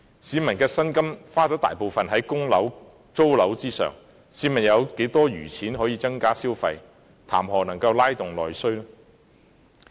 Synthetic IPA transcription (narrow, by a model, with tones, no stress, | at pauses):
siː˨˧mɐ˨˩nkɛː˧sɐ˥nkɐ˥mfaː˥t͡sɔː˨˥t̪a̰ː˨jpo˨wfɐ˨nɦɐ˨˥jkʊ˥ŋlɐ˨˥w | t͡so˥wlɐ˨˥wt͡siː˥sœ̰ː˨˩ŋ | siː˨˧mɐ˨˩njɐ˨˧wke˨˥jt̪ɔː˥jyː˨˩t͡sʰiː˨˥nɦɔː˨˥jiː˧t͡sɐ˥ŋkaː˥siː˥wfɐ˧j | t̪ʰa̰ː˨˩mɦɔː˨nɐ˨˩ŋkɐ˧wlaː˥jt̪ʊ˨ŋlɔ̰ː˨jsɵ˥ɥlɔ˥